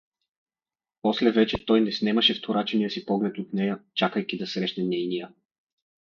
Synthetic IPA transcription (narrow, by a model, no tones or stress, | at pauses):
pɔslɛvɛt͡ʃɛt̪ɔjnɛsnɛməʃɛft̪ʰoɾat͡ʃɛnijəsipɔɡlɛt̪ot̪nɛjət͡ʃakəjk̟id̪ɐsɾɛʃnɛnɛjnijə